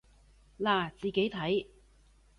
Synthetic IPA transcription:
laː˨˩t͡siː˨ke˨˥jt̪ʰɐ˨˥j

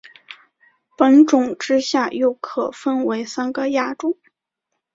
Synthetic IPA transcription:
pə˧˥nʈ͡ʂʊ˨˩ŋʈ͡ʂɻ̩˥ɕja˥˧jo˥˩ʊkʰɤ˨˩fə˥nwe˧˥ɪsa˥nɡə˨ja˥ʈ͡ʂʊ˨˩˦ŋ

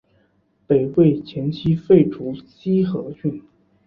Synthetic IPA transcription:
pe˨˩ɪwe˥˩ɪt͡ɕʰjɛ˧˥nt͡ɕʰi˧˥fe˥˩ɪʈ͡ʂʰu˧˥t͡ɕi˥xɤ˧˥ɕy˥˩n

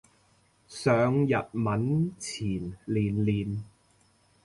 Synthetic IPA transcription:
sœː˨ŋjɐ˨t̚mɐ˨˥nt͡sʰiː˨˩nliː˨˩nliː˨˩n

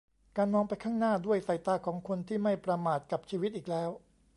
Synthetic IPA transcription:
kaː˧nmɔː˧ŋpa˧jkʰaː˥˩ŋnaː˥˩du˥˩əjsa˧˩jt̪aː˧˩kʰɔː˩˦ŋkʰo˧nt̪ʰiː˥˩ma˥˩jpɾa˧maː˨˩t̪̚ka˨˩p̚t͡ɕʰiː˧wi˦˥t̪̚ʔiː˨˩k̚lɛː˦˥w

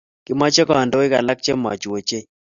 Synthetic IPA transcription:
kɪ˨˦ma˦t͡ʃɛ˦kɔ˦a˨ndo˦ɪ˦ka˨la˦k̚t͡ʃe˦mɔ̰˨t͡ʃwo˨t͡ʃe˦

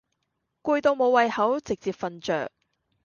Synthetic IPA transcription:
kuː˧jt̪o˧wmo˨˧wɐ˨˧jhɐ˨˥wt͡sɪ˨k̚t͡siː˨p̚fɐ˨nt͡ʃœ̰ː˨˩k̚

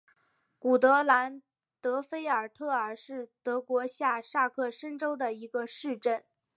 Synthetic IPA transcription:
ku˨˩t̪ɤ˧˥la˧˥n | t̪ɤ˧˥fe˥ɪə˞˨˩t̪ʰɤ˥˩ə˞˨˩ʂɻ̩˥˩t̪ɤ˧˥kwɔ˧˥ɕja˥˧ʂa˥˧kʰɤ˥˩ʂə˥nʈ͡ʂo˥ʊd̪ə˨i˧˥ɡə˧ʂɻ̩˥˧ʈ͡ʂə˥˩n

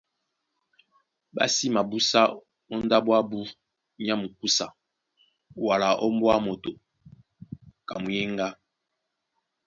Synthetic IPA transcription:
ba̰˦si˦ma˨bu˦sa˦ | ɔ˦n˦da˦bwa˦bu˦ | ɲ˦a˦mu˨ku˦sa˨ | wa˨la˨ʔɔ˦m˦bwa˦mo˨to˨ | ka˨mu˨jɛ˦ŋɡa˦

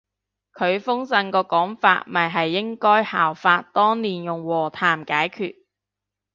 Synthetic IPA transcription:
kʰɵ˨˧ɥfʊ˥ŋsɐ˧nkɔː˧kɔː˨˥ŋfa̰ː˧t̚mɐ˨˩jɦɐ˨jːɪ˥ŋkɔː˥jhaː˨˩wfaː˧t̚t̪ɔː˥ŋliː˨˩njʊ˨˩ŋwɔː˨˩t̪ʰaː˨˩mkaː˨˥jkʰyː˨t̚

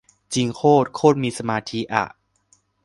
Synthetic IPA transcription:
t͡ɕi˧ŋkʰoː˥˩t̪̚kʰoː˥˩t̪̚miː˧sa˧maː˧t̪ʰiː˧˥ʔa̰˨˩ʔ

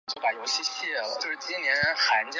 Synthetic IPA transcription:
t͡ɕo˥˩ʊpa˨˩jo˧˥ʊɕi˥ɕjɛ˥˩lə̰t͡ɕjo˥˧ʊʂ̩˥˩t͡ɕi˥nnjɛ˧˥n˧˥nxa˧˥nt͡ɕ

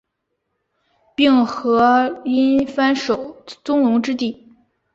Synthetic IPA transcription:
pi˥˩ŋxɤ˧˥i˥nfa˥nʂo˨˩ʊt͡sʊ˥ŋlʊ˧˥ŋʈ͡ʂɻ̩˥t̪i˥˩

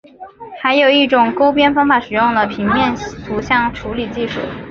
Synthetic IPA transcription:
xa˧˥ɪjo˨˩ʊi˥˩ʈ͡ʂʊ˨˩ŋko˥ʊpjɛ˥nfɑ˥ŋfa˨˩ʂɻ̩˨˩jʊ˥˩ŋd̪ə˩pʰi˧˥ŋmjɛ˥˧nt̪ʰu˧˥ɕjɑ˥˩ŋʈ͡ʂʰu˧˥li˨˩t͡ɕi˥˧ʂṵ˥˩

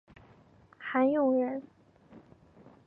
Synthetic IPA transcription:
xa˧˥njʊ˥˩ŋɻə˧˥n

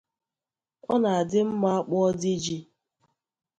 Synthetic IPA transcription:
ɔ˦na˨a˨dɪ˦m̩˦ma˦a˦k͡pɔ˦ɔ˦di˦d͡ʒi˦

